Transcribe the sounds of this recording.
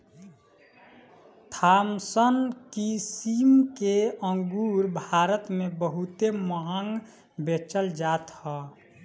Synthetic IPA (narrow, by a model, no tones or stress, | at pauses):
t̪ʰaːmsənkisimkeə̃ŋɡuːɾbʱaːɾət̪mẽbəɦut̪eməɦəŋɡ | bet͡ʃəld͡ʒaːt̪hɔː